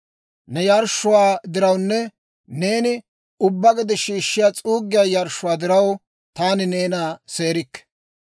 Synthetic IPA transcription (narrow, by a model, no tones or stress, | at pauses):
nɛjɐɾʃːʊwaːd̪ɪɾɐwnːɛ | ne̞ːnɪ | ʊbːɐɡɛd̪ɛʃiːʃːɪjaːt͡sʼuːɡːɪjaːjɐɾʃːʊwaːd̪ɪɾɐw | t̪aːnɪne̞ːnaːse̞ːɾɪkː